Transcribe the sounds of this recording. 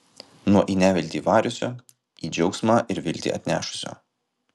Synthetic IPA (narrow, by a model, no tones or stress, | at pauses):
nuɔʔiːnʲæːʋʲɪlʲt̪ʲiːʋɑːɾʲʊsʲo̰ː | iːd͡ʒʲɛʊksmɑːʔɪɾʋʲɪlʲt̪ʲḭːʔɐt̪ʲnʲæ̰ːʃʊ̥sʲo̰ː